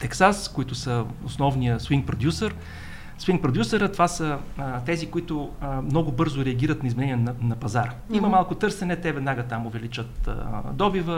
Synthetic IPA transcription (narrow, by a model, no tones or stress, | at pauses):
t̪ɛksaskʊit̪ʊsəʊsnɔvnijəswiŋɡ̚pɾod̪ʲjusəɾ | swiŋk̚pɾod̪jusəɾət̪ovasət̪ɛzikʊit̪ʊmnɔɡʊbɤɾzʊɾɛɐɡʲiɾət̪nɐizmɛnɛniɛnɐnɐpɐzaɾəimɐmalˠkʊt̪ɤɾsɛnɛt̪ɛvɛd̪naɡət̪amʊvɛlit͡ʃət̪d̪ɔbivə